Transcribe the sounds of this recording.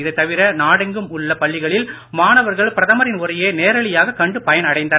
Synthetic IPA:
ɪðɯt̪ːɐʋɪɾɐnaːɽɛŋɡɯmʊɭːɐpɐɭːɪɣɐɭɪl | maːnɐʋɐɾɣɐɭpɪɾɐðɐmɐɾɪnʊɾɐjeːneːɾɐɭɪjaːɣɐkːɐɳɖɯpɐjɐnɐɽɐɪnd̪ɐn

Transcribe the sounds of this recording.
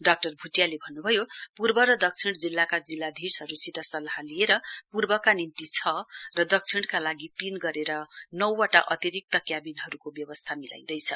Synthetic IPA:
ɖak̚ʈʌrbʱuʈjalebʱʌnːubʱʌjopurbʌɾʌd̪ʌk̚t͡sʰiɽd͡zilːakad͡zilːad̪ʱisɦʌɾusit̪asʌlaɦalieɾʌpurbʌkanint̪it͡sʰʌrʌd̪ʌk̚t͡sʰiɽkalaɡit̪inɡʌɾeɾʌnʌwːaʈaʔʌt̪iɾik̚t̪ʌkjabinɦʌɾukobjʌbʌst̪ʰamila̰jd̪ʌjt͡sʰʌ

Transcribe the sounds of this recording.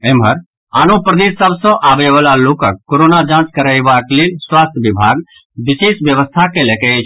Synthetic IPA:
embʱəɾ | anopɾəd̪esəbsə̃ʔabebalalokəkːoɾonad͡ʒãt͡ʃkəɾəjbaklelswast̪ʰjbibʱaɡ | bisesbjəβəst̪ʰakelekɛt͡ʃʰ

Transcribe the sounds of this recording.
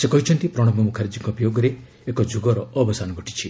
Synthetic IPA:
sekɔɦit͡ʃʰɔnt̪ipɾɔɽ̃ɔmbɔmukʰaɾid͡ʒikɔpijoɡɔɾeː | kɔd͡ʒuɡɔɾɔɔbɔsanɔɡʱɔʈi̥t͡ʃʰi

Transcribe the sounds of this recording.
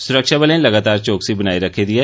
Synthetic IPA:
sʊɾəkʃabəlelɐɡaːt̪aːɾt͡ʃoːksibɐnaːiɾɐkʰed̪ieː

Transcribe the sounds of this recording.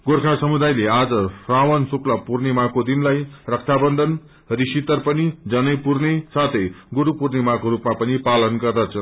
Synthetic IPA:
ɡorkʰasʌmud̪ajlead͡zʌsrawʌnsuklapurnemakod̪inlajrʌk̚t̪ʰabʌnd̪ʱʌn | risit̪ʌrpʌnid͡zʌnʌjpurnesat̪ʰʌjɡuɾupurnemãkoɾupmapʌnipalʌnɡʌrd̪at͡sʰʌ

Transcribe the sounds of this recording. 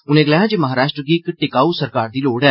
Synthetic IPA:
ʊnẽːɡlɛːãːd͡ʒeːməɦaːɾaːʃʈɾəɡiɪkʈɪkaːuːsəɾkaːɾd̪iːloːɽɛː

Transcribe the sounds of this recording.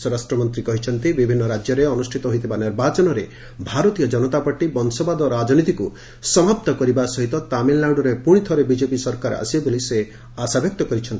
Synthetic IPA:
sɔɾasʈɾɔmɔnt̪ɾikɔɦit͡ʃʰɔnt̪ibibʱinːɔɾad͡ʒjɔɾeɔnusʈʰit̪ɔɦojt̪ʰibaniɾbat͡ʃɔnɔɾe | bʱaɾɔt̪ijɔd͡ʒɔnɔt̪apaʈibɔnsɔbad̪ɔɾad͡ʒɔnit̪iku | sɔmap̚t̪ɔkɔɾibasɔɦit̪ɔt̪aminlaɖɔɾepuɽ̃it̪ʰɔɾebid͡ʒepisɔɾkaɾa̰sibabolise | asabʱjɔk̚t̪ɔkɔɾit͡ʃʰɔnt̪i

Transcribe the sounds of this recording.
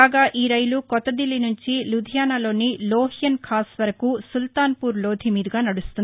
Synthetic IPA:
aːɡaːʔiːɾɐjlukɔt̪ːɐd̪ilinuɲt͡ʃilud̪ʱjaːnɐlo̞ːniloːɦjɐnkʰaːsʋɐɾɐkusult̪aːnpuːɾloːd̪ʱimiːd̪iɡaːnɐɽust̪uni

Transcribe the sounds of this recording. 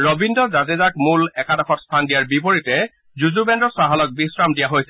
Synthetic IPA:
ɹobindɔzazezakmulɛkadɔxɔtstʰandijaɹbipoɹitɛ | zuzubɛndɔsaɦalɔk̚bisɹamdijaɦojsɛ

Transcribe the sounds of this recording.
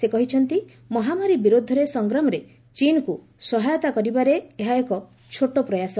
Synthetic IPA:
sekɔɦit͡ʃʰɔnt̪i | mɔɦamaɾibiɾod̪ʱɔɾesɔŋɡɾɔmɔɾe | t͡ʃinku | sɔɦajɔt̪akɔɾibaɾeeɦaekɔ | t͡ʃʰoʈopɾɔjasɔ

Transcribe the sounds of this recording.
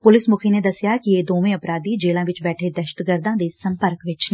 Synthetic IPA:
pʊlɪsmʊkʰened̪əsjaːkieːd̪oːʋẽːəpɾaːd̪iːd͡ʒeːlãːʋɪt͡ʃbɛːʈʰeːd̪əʃə̥ʈ̪ɡəɾd̪ãːd̪esəmpəɾkʋɪt͡ʃn

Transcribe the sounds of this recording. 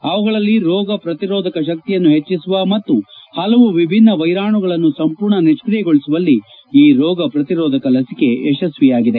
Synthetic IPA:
ɐʋɐɡɐɭɐlːiɾɔːɡɐpɾɐt̪iɾɔːd̪ʱɐkɐʃ̬ɐk̚t̪ijɐnːuɦet͡ʃːisuʋɐmɐt̪ːuhɐlɐʋuʋibʱinːɐʋɐjɾaːɳuɡɐɭɐnːusɐmpuːɾɳɐniʂkɾijɛɡoɭisuʋɐlːi | iːɾɔːɡɐpɾɐt̪iɾɔːd̪ʱɐkɐlɐsike̞ɛʃɐsʋijaːɡid̪e

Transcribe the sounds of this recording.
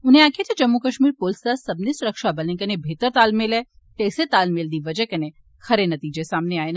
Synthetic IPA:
ʊnɦẽaːkʰet̪ed͡ʒɐmːukɐʃmiːɾpoːlsd̪asɐbnesʊɾəkʃabɐlẽkɐnebʱeːt̪əɾt̪aːlmelɛ | t̪eːset̪aːlmeld̪iʋɐd͡ʒəkɐne | xɐɾenɐt̪iːd͡ʒesaːmneaːen

